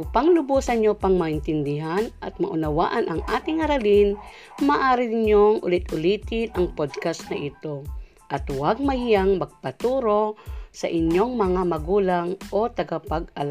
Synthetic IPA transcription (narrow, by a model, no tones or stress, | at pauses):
ʔʊpaŋlʊbusɐɲopaŋmaʔɪnt̪ɪnd̪ɪɦanʔɐ̰t̪̚mɐ̰ʔʊnawa̰ːʔanʔɐŋʔaːt̪ɪŋhɐɾalɪn | maʔaːɾɪɲoŋʔʊ̰lɪt̪ʔʊliːt̪ɪnʔɐŋpod̪̚kast̪nɐʔit̪o | ʔɐt̪waɡ̚mɐhijaŋmɐɡ̚pat̪uːɾosɐʔɪɲjoŋmɐŋamɐɡuːlaŋʔo̞t̪ɐɡapaɡ̚ɐ̰la